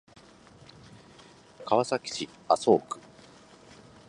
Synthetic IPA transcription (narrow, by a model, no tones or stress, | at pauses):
kaβasakʲi̥ɕi | aso̞ːkɯ̟̥